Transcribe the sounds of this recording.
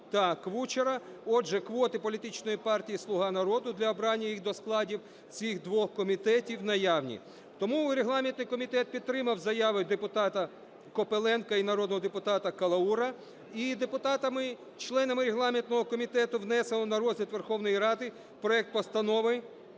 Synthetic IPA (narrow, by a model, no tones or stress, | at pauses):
t̪ɐkʋut͡ʃeɾɐɔdʒɛkʋɔt̪ɪpɔlʲit̪ɪt͡ʃnɔjipɑrtʲijislˠʊɦɑnɐɾɔd̪ʊd̪lʲɐɔbɾɑnʲːɐjixd̪ɔsklˠɑdʲiw | t͡sʲixd̪ʋɔxkɔmʲit̪ɛtʲiwnɐjɑwnʲḭ | t̪ɔmuɾeɦlˠɑmʲint̪nɪjkɔmʲit̪ɛt̪̚pʲid̪t̪ːɾɪmɐwzɐjɑʋɪd̪epʊt̪ɑt̪ɐ | kɔpelˠɛnkɐinɐɾɔd̪nɔɦɔd̪epʊt̪ɑt̪ɐkɐlˠɐuɾɐ | id̪epʊt̪ɑt̪ɐmɪ | t͡ʃlˠɛnɐmɪɾeɦlˠɑmʲint̪nɔɦɔkɔmʲit̪ɛt̪ʊʋnɛselˠɔnɐɾɔzɪt̪ʋerxɔwnɔjiɾɑd̪ɪ | pɾɔɛk̚t̪̚pɔst̪ɐnɔʋɪ